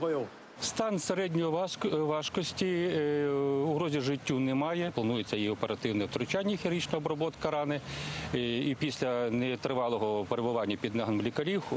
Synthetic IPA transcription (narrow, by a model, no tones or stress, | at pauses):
ɔjɔ | st̪ɑnseɾɛdʲnʲɔjʋɑʃkɔsʲtʲi | ʊɦɾɔzʲiʒɪtʲːunɛmɑjɛplˠɐnujet͡sʲːɐjiɔpeɾɐt̪ɪwnɛwt̪ɾʊt͡ʃanʲːɐxʲiɾit͡ʃnɔɔbɾɔbɔt̪kɐɾɑnɪ | ipʲisʲlʲɐnɛt̪ɾɪʋɑlˠɔɦɔpeɾebʊʋɑnʲːɐpʲid̪nɐɦɐnmlʲikɐlʲix